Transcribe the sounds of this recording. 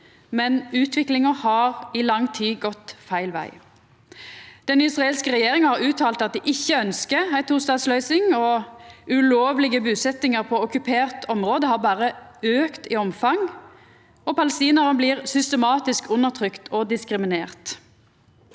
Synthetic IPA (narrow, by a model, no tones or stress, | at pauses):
mɛnʉːt̪ʰʋɪklɪŋəhɑʁɪlɑŋt̪ʰiːɡɔt̪fæɪlʋæ̰ɪ | d̪̥ɛnɪsʁɑeːlskəʁɛjeːʁɪŋhɑʁʉːt̪ʰɑːlt̪ɑt̪̚d̪iʔɪçːəœnskəæɪt̪ʰuːst̪ɑːd̪slœʏsɪŋɔʉloːʋlɪɡəbʉːsɛt̪ɪŋəʁpʰɔɔkʉpʰeːʁt̪ʰɔmʁoːd̪əhɑːʁbɑːʁəøːkt̪ɪɔmfɑŋ | ɔpɑləst̪iːnəʁənbliːʁsʏst̪əmɑːt̪ɪskʉnːəʁt̪ʰʁʏkt̪ʰɔd̪ɪskʁɪmɪneːʁt̪